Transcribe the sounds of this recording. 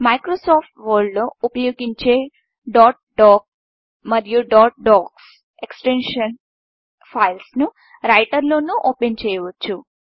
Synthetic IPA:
mɐjkɾoːsɔːpʈʋɐɾɖuupɐjoːɡiɲt͡ʃeː | ɖɔːʈ̚ɖɔːk̚ | mɐɾjuɖɔːʈ̚ɖɔːks | eksʈenʂɐn | pʰɐjlsnu | ɾɐjʈɐɾlo̞ːnuʔoːpent͡ʃɛːjɐʋot͡ʃːu

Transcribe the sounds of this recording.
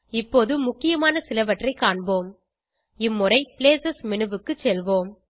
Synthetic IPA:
ɪpːoːðɯmʊkːɪjɐmaːnɐsɪlɐʋɐʈrɐɪkaːɳboːm | ɪmːʊrɐɪpɪleːsɐsmɪnɯʋɯkːɯt͡ʃːɛlʋoːm

